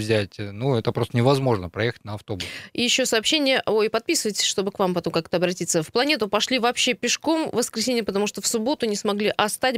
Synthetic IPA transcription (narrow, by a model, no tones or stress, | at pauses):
vzʲætʲnuɛt̪əpɾost̪ənʲɪvɐzmo̞ʐnəpɾɐjexə̥tʲnəɐft̪o̞bʊsijɪɕːo̞sɐːpɕːenʲɪjəʔo̞jpɐt̪̚pʲisɨvəjtʲɪ̥sʲʂt̪o̞bɨkvampɐt̪o̞mkakt̪əɐbɾɐtʲit̪səfplˠɐnʲe̞t̪ʊpɐʂlʲivɐːpɕːe̞pʲɪʂko̞mvəskɾʲɪsʲenʲɪjəpət̪ɐmuʂt̪ofsʊbo̞t̪ʊnʲɪsmɐɡlʲiʔɐst̪atʲ